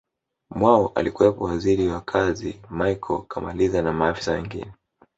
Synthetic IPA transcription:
mwaɔʔa̰likuwɛpɔwaziɾiwakʰazimajkʰɔkʰamalizanamaːfi̥sawɛŋɡḭnɛ

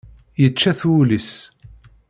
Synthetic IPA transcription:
jət͡ʃːæθulis

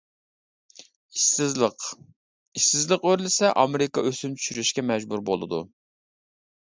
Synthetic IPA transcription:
iq | iʃsɪzlˠəqøɾlɪsɛʔɑmɪɾɪkɑøsymt͡ʃʰy̥ʃyɾyʃkʲɛmɛd͡ʒbuɾbolˠɨ̰d̪ṵ

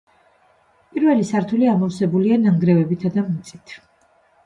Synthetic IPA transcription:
pʼiɾvɛlisaɾt̪ʰuliamɔvsɛbulianaŋɡɾɛvɛbit̪ʰad̪amt̪sʼi̥t̪ʰ

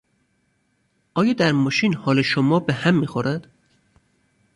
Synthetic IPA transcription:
ʔɒːjɒːd̪æɾmɒːʃiːnhɒːleʃomɒːbehæmːiːxoɾʔæd̪̥

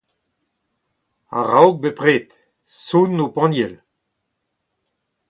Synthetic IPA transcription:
a̰ʁawk̚bepʁeːt̪ | sunːopɑ̃njɛl

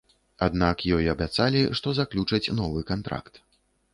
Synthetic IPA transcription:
ad̪nakjɔjiɐbʲat̪salʲiʂt̪ɔzaklʲut͡ʂɐt͡sʲnɔvɨkant̪ɾa̰kt̪

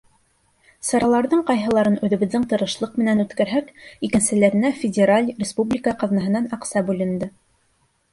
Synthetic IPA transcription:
sɑɾɑlˠɑɾðɤɴqɑjɦɤ̆lˠɑɾɤnʉðɘ̆βɘ̆ðːɘŋt̪ɤ̆ɾɤ̆ʃlˠɤqmɘ̆nænʉt̪kæɾɦækikɘ̆nsɘ̆læɾɘ̆næfʲɪdʲeɾalʲrʲɪspublʲikəqɑðnɑɦɤ̆nɑnɑqsɑbʉlɘ̆nd̪ɘ

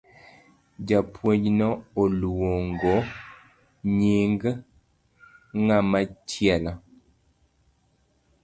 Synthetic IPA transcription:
d͡ʒapʰwed͡ʒnɔoluwoŋɡo | ɲiŋɡ | ŋamat͡ʃjɛla

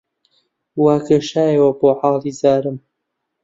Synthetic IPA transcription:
waːkɐʃaːjewɐboːʕɑːlˠiːzaːɾɨm

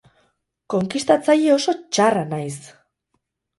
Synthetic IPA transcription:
ko̞ŋkist̪at͡sajeo̞so̞t͡ʃaranajs

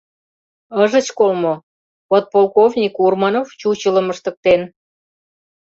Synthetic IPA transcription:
əʒə̆t͡ɕkolmo | βot̪̚polˠkovnʲikurmɑnoft͡ɕut͡ɕələməʃt̪ə̆k̚t̪en

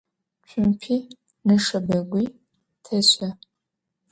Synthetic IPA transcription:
t͡ʃʷʰʊmpʰiː | nɨʂɐbɐɡʷiː | tʰɐɕɐ

